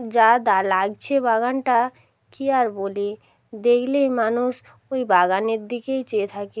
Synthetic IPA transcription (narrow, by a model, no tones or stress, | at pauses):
d͡ʑad̪alaɡt͡ɕʰebaɡanʈa | kiaɾboli | d̪ekʰlejmanuʃ | ojbaɡaneɾd̪ikejt͡ɕeet̪ʰake